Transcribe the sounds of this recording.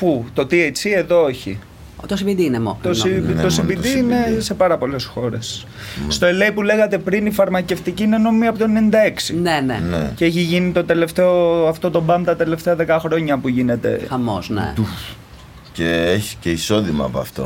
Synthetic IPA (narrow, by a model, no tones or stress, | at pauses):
put̪o̞t̪iet͡sie̞ðo̞eçi | t̪osibid̪iinemokt̪ost̪osibid̪iine̞se̞pɐɾɐpo̞le̞sxo̞ɾe̞s | st̪o̞eleipule̞ɣɐt̪e̞pɾinifɐɾmɐce̞ft̪iciineno̞mimiɐpot̪oenenind̪ɐe̞ksinenenḛceeçiʝinit̪o̞t̪e̞le̞ft̪e̞o̞ɐft̪o̞t̪o̞bɐmt̪ɐt̪e̞le̞ft̪eɐðe̞kɐxɾo̞ɲɐpuʝine̞t̪e̞̰xɐmo̰znḛu | ceeçi̥ce̞iso̞ðimɐ̰ːpoɐ̰ft̪o̞̰